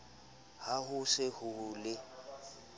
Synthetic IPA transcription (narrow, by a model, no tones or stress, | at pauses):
haɦʊsɪhʊlɪ